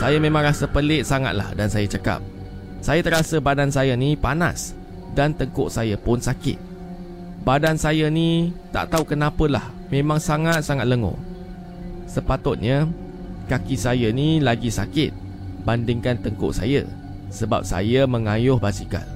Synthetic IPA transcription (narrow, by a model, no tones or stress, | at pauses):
sajamẽmãŋɾasəpəlɪʔ̪̚saŋa̰t̪̚la̰hdansajat͡ʃaka̰p̚ | sajat̪əɾasəbadansajənipana̰s | dant̪əŋkʊʔsajəpʊnsakɪ̰t̪̚ | badansajənit̪a̰ʔt̪aukənapəlah | mẽmãŋsaŋat̪̚saŋat̪̚ləŋo̰ | səpat̪ʊt̪̚ɲə | kakisajənilaɡisakɪt̪̚ | bandɪŋkant̪əŋkʊ̰ʔsa̰jə̰ | səba̰p̚sa̰jəmə̃ŋajʊhbasika̰l